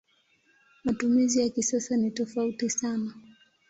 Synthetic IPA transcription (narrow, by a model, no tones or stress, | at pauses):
matumizijakisasanitɔfautisana